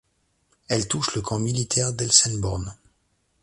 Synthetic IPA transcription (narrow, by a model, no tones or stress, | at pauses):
ɛlt̪uʃləkʰɑ̃milit̪ʰɛʁd̪ɛlsɛnbɔʁn